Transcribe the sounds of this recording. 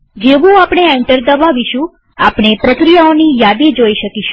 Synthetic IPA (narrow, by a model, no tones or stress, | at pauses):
d͡ʒeʋũapɽeɛɳʈəɾd̪əbaʋiʃũ | apɽ̃epɾəkɾijaonijad̪ed͡ʒoiʃəkiʃũ